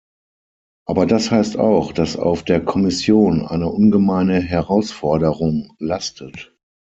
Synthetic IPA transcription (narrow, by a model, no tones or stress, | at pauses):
ʔaːbɐdashaɪsta̰ʊxd̥asa̰ʊfd̥eːɐkʰɔmɪsjoːnʔa̰ɪnəʔʊnɡəmaɪnəɦɛʁaʊsfɔɐdəʁʊŋlastʰət